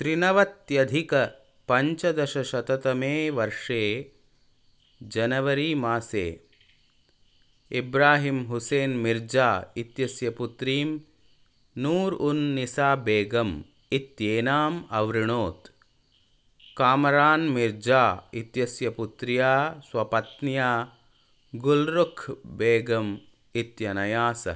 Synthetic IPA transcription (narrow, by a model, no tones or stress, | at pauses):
t̪ɾinɐʋɐt̪jɐd̪ʱikɐ | pɐɲt͡ʃɐd̪ɐʃɐʃɐt̪ɐt̪ɐmeːʋɐɾʂeː | d͡ʒɐnɐʋɐɾiːmaːsḛː | ibɾaːɦimɦuseːnmiɾd͡ʒaːit̪jɐsjɐput̪ɾiːm | nuːɾunːisaːbeːɡɐm | it̪jeːnaːmɐʋɾɪɳ̃oːt̪ | kaːmɐɾaːnmɪɾd͡ʒaːit̪jɐsjɐput̪ɾijaːswɐpɐt̪njaː | ɡʊlɾʊkʰbeːɡɐm | it̪jɐnɐjaːsɐ̰